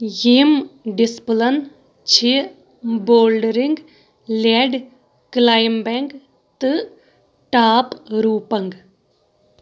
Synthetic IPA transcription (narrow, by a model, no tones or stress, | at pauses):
jemɖɪsplən | t͡ʃʰe | boːlɖəɾɪŋɡ | lɛːɖ | klaːjmbɛŋɡ | t̪ɨ | ʈaːpɾuːpəŋɡ